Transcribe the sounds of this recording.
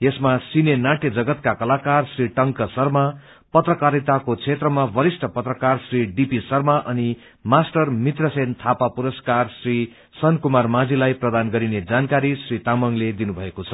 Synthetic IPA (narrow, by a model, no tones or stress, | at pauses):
jesmasinenaʈed͡zʌɡʌt̪kakʌlakarsriʈʌŋkʌsʌrma | pʌt̪rʌkaɾit̪akot͡sʰet̪rʌmabʌɾisʈʰʌpʌt̪rʌkarsriɖipisʌrmaʔʌni | masʈʌrmit̪rʌsent̪ʰapapuɾʌskarsri | sʌnkumarmad͡zilajprʌd̪anɡʌɾined͡zankaɾisrit̪amʌŋled̪inubʱʌekot͡sʰʌ̥